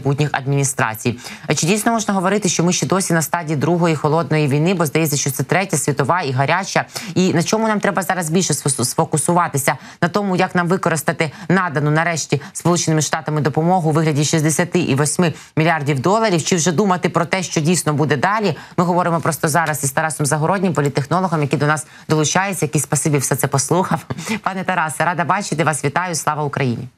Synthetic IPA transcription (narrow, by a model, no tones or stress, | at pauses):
but̚ʲnʲixɐ̰d̪̚mʲinʲist̪ɾɑ̰t͡sʲij | t͡ʃɪdʲijsʲnɔmɔʒnɐɦɔʋɔɾɪt̪ɪʃt͡ʃɔmɪʃt͡ʃɛd̪ɔsʲinɐst̪ɑdʲiːd̪ɾuɦɔjixɔlˠɔd̪̚nɔjiʋʲijnɪbɔzd̪ɐjɛt͡sʲːɐʃt͡ʃɔt̪sɛt̪ɾɛtʲɐsʲʋʲit̪ɔʋɑiɦɐɾʲat͡ʃɐinɐt͡ʃɔmʊnɑmt̪ɾɛbɐzɑɾɐzbʲilʲʃɛssfɔkʊsʊʋɑt̪ɪsʲɐ | nɐt̪ɔmʊjɐknɑmʋɪkɔɾɪst̪ɐt̪ɪnɑd̪ɐnʊnɐɾɛʃtʲispɔlˠut͡ʃenɪmɪʃt̪ɑt̪ɐmɪd̪ɔpɔmɔɦʊʋɪɦlʲɐdʲiʃizd̪esʲɐt̪ɪʔiʋɔsʲmɪ | mʲilʲiɑrdʲiwd̪ɔlˠɐɾʲiwt͡ʃɪwʒɛd̪umɐt̪ɪpɾɔt̪ɛʃt͡ʃɔdʲijsʲnɔbud̪ɛd̪ɑlʲimɪɦɔʋɔɾɪmɔpɾɔst̪ɔzɑɾɐsist̪ɐɾɑsɔmzɐɦɔɾɔdʲnʲimpɔlʲit̪ːexnɔlˠɔɦɔmjɐkʲid̪ɔnɑs | d̪ɔlˠʊt͡ʃɑjet͡sʲːɐjɐkisʲsʲpɐsɪbʲiwsɛt̪sɛpɔslˠuxɐwpɑnɛt̪ɐɾɑsɐɾɑd̪ɐbɑt͡ʃɪt̪ɪʋɑsʋʲit̪ɑjʊslˠɑʋɐʊkɾɐjḭnʲḭ